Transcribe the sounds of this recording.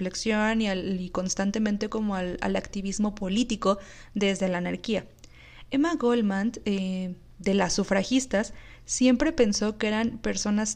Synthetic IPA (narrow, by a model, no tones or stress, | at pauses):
leksjo̞niaiko̞nst̪ant̪e̞mẽnt̪e̞ko̞mo̞ala̰lakt̪iβizmo̞po̞lit̪iko̞ | ðe̞zðe̞laːnaɾkia | e̞maɣolmãnd̪e | d̪e̞lasufɾaxist̪asː | je̞mpɾe̞pe̞nso̞kee̞ɾanpe̞ɾso̞nas